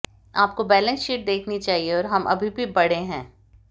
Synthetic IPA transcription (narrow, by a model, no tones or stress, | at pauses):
aːp̚kobɛːlə̃nsiːʈ̚d̪eːkʰnit͡ʃaːɦieɔːɾɦɐmʔɐ̰bʱibʱibɐɽ̤eɦɛ̃ː